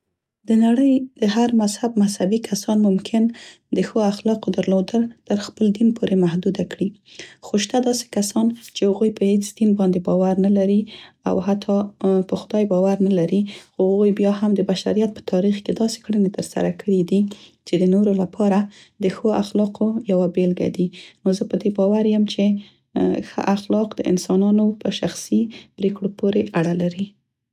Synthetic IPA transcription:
d̪ənaɽəjd̪̥əɦaɾmazhab̚mazhabikʰasɑnmʊmkʰɪn | d̪əxoaxlɑqod̪aɾlod̪əlt̪əɾxpəld̪inpʰoɾemahd̪ud̪akɽixoʃt̪ad̪ɑse̥kasɑnt͡ʃehaɣujpəhet͡sd̪̥inbɑnd̪ebɑwaɾnalaɾia̰wɦat̪ʰɑpəxʊd̪ɑjbɑwaɾnalaɾixohɣujbjɑɦamd̪əbaʃa̰ɾijat̪̚pə̥t̪ʰɑɾixked̪ɑse̥kɽənet̪əɾsa̰ɾakʰəɽid̪it͡ʃed̪ənoɾolapʰɑɾa | d̪əxoa̰xlɑqʰojawabelɡa̰d̪inozəpəd̪ebɑwaɾjəmt͡ʃe | xə̰ʔaxlɑqd̪əɪ̰nsɑnɑnopəʃaxsib̥ɾekɽopoɾeʔaɽalaɾi

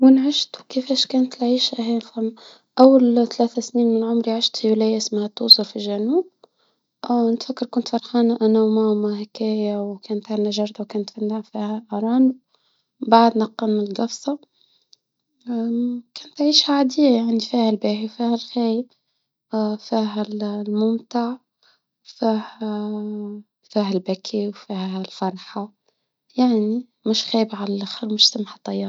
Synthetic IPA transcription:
wɪnʕɪʃt̪wkɪfæːʃkæːnt̪lʕiːʃæɦæːmfam | ʔawːalt̪alæːθasniːnmɪnʕʊmɾiʕɪʃt̪fjulæjːʔɪsmhat̪ːuːsˤʊɾfilʒænuːb̚ | nɪt̪fakːɑɾˤkʊnt̪fɑɾˤxɑːnaʔænamamahakæːjawkæːnt̪ʕanaʒɑɾˤd̪ˤɑwkæːnt̪fanːaʕfiːhæʔɑɾˤɑːnu | baʕd̪nɑqːɑnmnlɡɑfsˤɑ | kæːnt̪ʕiːʃhaʕad̪ɪjːajaʕnifiːhælbæːħiwfiːhælxæːjɪb | fiːɦællmʊmt̪aʕ | fihæ | fiːhælbækʰiwfiːhælfɑɾˤħɑ | jaʕni | mʊʃxæːjəbʕalælʔaxəɾwmʊʃsamħɑt̪ˤːɑjːɑːɾ

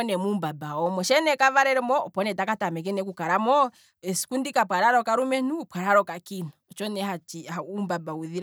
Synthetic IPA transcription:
nɛmumbabaɔmɔʃɛnɛkavaɾɛɾɛmɔɔpɔnɛtakatamɛk̬ɛnɛkukaɾamɔ | ɛsi̥kundikapwaɾaɾɔkaɾumɛnupwaɾaɾɔkakinaɔt͡ʃɔnɛɦat͡ʃiaumbabauðiɾa

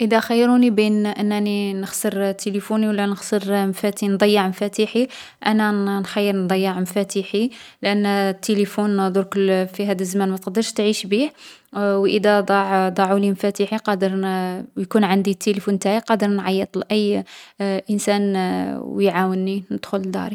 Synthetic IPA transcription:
ʔəd̪æxəjːɾunibinʔənːæninəxsˤəɾt̪ːelifuniwlːænəxsˤəɾmfæt̪ind̪ˤɑjːəʕmfæt̪iħi | ʔænænxɑjːəɾˤnd̪ˤɑjːəʕmfæt̪iħilʔənːt̪ːelifunːd̪ˤuɾkʊlfiɦæd̪əlzmænmæt̪əqd̪əɾʃt̪ʕiʃbihwʔəd̪æd̪ˤɑʕd̪ˤɑʕulimfæt̪iħiqɑd̪əɾjkunʕand̪it̪ʰːelifunt̪aʕiqɑd̪əɾnʕɑjːət̪ˤlʔəjː | ʔənsænwjʕawənːinəd̪̥xʊld̪ɑ̰ɾi

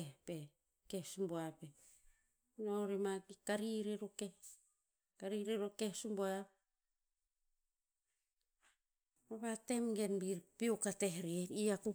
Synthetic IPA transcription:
pe | kehsumboape | noɾemakikaɾiɾiɾoke | kaɾiɾeɾokehsumboap | maβatemɡe̞nbiɾpiokateɦɾeniaku

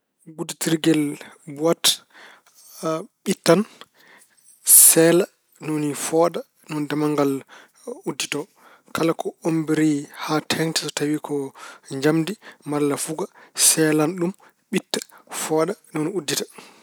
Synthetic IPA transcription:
buditiɾɡɛlbuwat | ɓitːan | sɛːla | nonifɔɗa | nɔndamaŋɡal | udːitɔ | kalakɔombiɾihatʰɛntɛ̥sɔtawikʰɔɲd͡ʒamdimalːafuɡasɛlanɗum | ɓitːḁfɔːɗanɔniudːitḁ

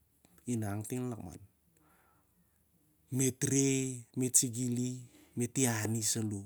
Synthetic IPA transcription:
inaŋtiŋlakma̰n | metɾemet͡ʃiɡilimetianisalu

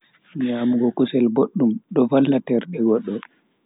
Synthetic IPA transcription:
ɲamuɡɔkusɛlboɗːumɗɔvalːatɛɾɗɛɡɔɗːɔ

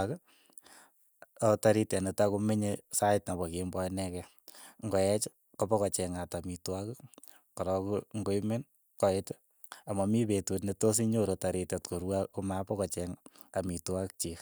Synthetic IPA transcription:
ak | otaɾitanetakumeɲesajtnabɔkembɔjnɛkɛ | ŋɡɔjɛt͡ʃ | kopɔkɔt͡ʃɛŋatamitwak | kɔɾɔkuŋɡojmen | kɔet | amamipetutnetosiɲoɾotaɾitatkoɾwakomapɔkɔt͡ʃɛŋamitwak̚t͡ʃik

